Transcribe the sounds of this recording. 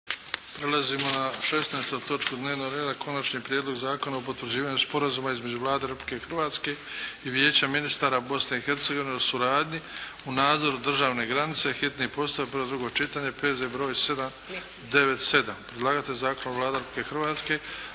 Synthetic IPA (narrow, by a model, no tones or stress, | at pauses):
pɾe̞lˠazimonaʃe̞snaest̪ujt̪o̞t͡ʃkud̪ne̞ːʋno̞ɡɾeːd̪akʰo̞nat͡ʃɲiːpɾjed̪lˠo̞ɡzaːko̞naopot̪ʋɾd͡ʑiːʋaːɲuspo̞ɾazumaizme̞d͡ʑuʋlˠaːd̪eɾpli̥ke̞xr̩ʋaːt̪ske̞iʋje̞ːt͡ɕaminist̪aːɾabo̞sne̞ixe̞ɾt̪se̞ɡo̞ʋineosuɾaːd̪ɲiunaːd̪zo̞ɾud̪r̩ʒaːʋne̞ɡɾanit̪se̞xit̪nipo̞st̪aobilod̪ɾuɡo̞t͡ʃit̪aːɲe̞peːzebɾo̞ːjse̞d̪am | d̪e̞ʋe̞t̪se̞d̪ampɾed̪lˠaːɡat̪ezaːko̞navlaːd̪eɾpi̥kexr̩ʋaːt̪ske̞